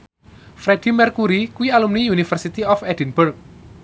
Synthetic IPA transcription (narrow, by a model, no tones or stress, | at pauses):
fɾɛd̥imɛrkuɾikuwialumniunifərsit̪iɔfɛdinburk̚